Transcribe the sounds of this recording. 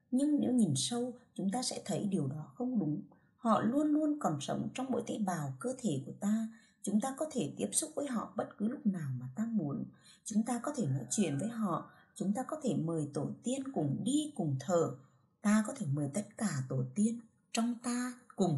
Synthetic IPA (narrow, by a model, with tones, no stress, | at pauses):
ɲɨ˧ŋnḛ˨˧˥wɲi˨˩nsə˧wt͡ɕʊ˨˦ŋ͡mt̪aː˧sɛ̰˧˥t̪ʰə˨˦jɗi˨˩əwɗɔ˨˦xə˧wŋ͡mɗʊ˨˦ŋ͡m | hɔ̰˧˨lu˧ənlu˧ənkɔ˨˩nsə˨˦wŋ͡mt͡ɕɔ˧wŋ͡mɓo̰˧˥jt̪a˧˥ɓaː˨˩wkəː˧t̪ʰe˧˩ku˧˩ət̪aː˧ | t͡ɕʊ˨˦ŋ͡mt̪aː˧kɔ˨˦t̪ʰe˧˩t̪i˦˥əp̚sʊ˦˥k͡p̚vəː˨˦jɦɔ̰˧˨ɓə˦˥t̚kɨ˨˦lʊ˦˥k͡p̚naː˨˩wmaː˨˩t̪aː˧mu˨˦ən | t͡ɕʊ˨˦ŋ͡mt̪aː˧kɔ˨˦t̪ʰe˧˩no̰˧˥jt͡ɕwḭ˧˨ənvəː˨˦jɦɔ̰˧˨ | t͡ɕʊ˨˦ŋ͡mt̪aː˧kɔ˨˦t̪ʰe˧˩məː˨˩jt̪o˧˩t̪i˧ənkʊ˨˩ŋ͡mɗi˧kʊ˨˩ŋ͡mt̪ʰəː˧˩ | t̪aː˧kɔ˨˦t̪ʰe˧˩məː˨˩jt̪ə˦˥t̚kaː˧˩t̪o˧˩t̪i˧ən | t͡ɕɔ˧wŋ͡mt̪aː˧kʊ˨˩ŋ͡m